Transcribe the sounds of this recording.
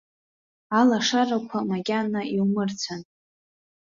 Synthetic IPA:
alaʂarakʷʰamaɡʲanːaiwmɨrt͡sʷʰan

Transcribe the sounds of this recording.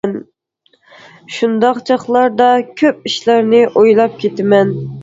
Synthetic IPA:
n | ʃund̪ɑqt͡ʃʰɑχlˠɑɾd̪ɑkʲʰøp̚iʃlæɾnɪʔojlˠɑp̚kʲʰet̪ɪmɛn

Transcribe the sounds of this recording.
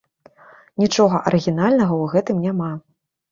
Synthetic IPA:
nʲit͡ʂɔɣɐʔɐɾɨɣʲinalʲnɐɣɐwɣɛt̪ɨmnʲama

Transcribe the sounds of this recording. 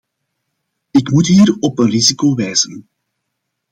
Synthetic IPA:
ɪkmutɦiːɾɔpənrizikoːʋɛjz̥ən

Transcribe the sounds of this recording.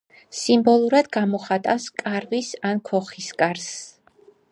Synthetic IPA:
simbɔlˠuɾad̪ɡamɔχat̪ʼaskʼaɾvisankʰɔχiskʼaɾs

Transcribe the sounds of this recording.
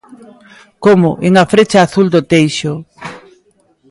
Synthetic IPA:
komʊʔeŋafɾet͡ʃaːθuld̪ot̪ejʃo

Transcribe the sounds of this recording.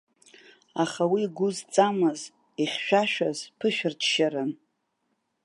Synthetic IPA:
aχawiːɡʷʊzt͡sʼamɨz | iχʲʃᶣaʃᶣazpʰɨʃᶣɪrtʰʃaɾɨn

